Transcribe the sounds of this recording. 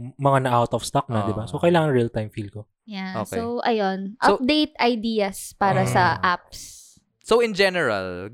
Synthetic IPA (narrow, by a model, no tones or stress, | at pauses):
mɐŋanɐʔawt̪ɔfst̪ɐk̚nɐd̪ɪbasokɐɪlaːŋɐnɹiɐlt̪ajmfilko | jaosowʔɐjonʔɐp̚d̪ejt̪̚ʔɐjd̪iːɐspaːɾɐsɐʔap̚s | soɪ̃nd͡ʒɛnɛɹɐ̰l